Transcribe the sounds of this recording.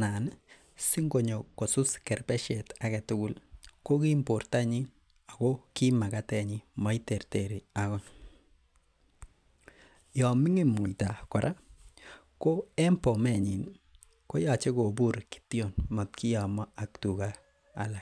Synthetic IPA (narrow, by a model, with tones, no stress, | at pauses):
na˨n | si˦ŋɡo˨ɲo˨kːo˨su˦skɛ˨rpɛ˦ʃe˨ta˨ke˨tʊ˦kʊ˦lko˦ki˦mpo˨rta˦ɲi˦ | a˨ko˦ki˦ma˨ka˦tɛ˨ɲi˦ma˨˦i˦te˨rteɾi˨akɔ˦ | jɔ˨mi˦ŋi˦mu˨jta˨kɔ˨ɾʔa˦ | ko˦ɛ˦mpo˨mɛ˨ɲi˨n | ko˦ja˨t͡ʃe˦ko˨bu˦ɾki̥tjo˨nmɔ˨tki˦ja˨mɔ˦a˨ktu˨ka̰ː˨ | lak